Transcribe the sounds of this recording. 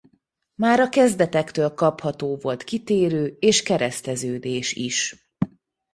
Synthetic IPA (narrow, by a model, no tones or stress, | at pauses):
maːɾɒkɛzd̪ɛt̪ɛkt̪øːlkɒphɒt̪oːvo̞lt̪kit̪eːɾøːeːʃkɛɾɛst̪ɛzøːd̪eːʃiʃ